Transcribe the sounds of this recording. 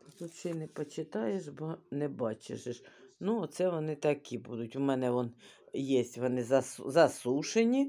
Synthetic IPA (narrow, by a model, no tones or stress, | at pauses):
t̪t̪ut̪sɪnɛpɔt͡ʃɪt̪ɑjeʃbɔnɛbɑt͡ʃḛʃɪʃnuɔt̪sɛʋɔnɪt̪ɐkibud̪ʊtʲʊmɛnɛʋɔnjɛsʲtʲʋɔnɪzɐszɐsuʃenʲi